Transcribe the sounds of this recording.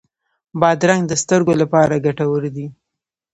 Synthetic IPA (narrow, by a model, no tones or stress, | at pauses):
bɑd̪ɾaŋɡd̪əst̪əɾɡolapɑɾaɡaʈawəɾd̪i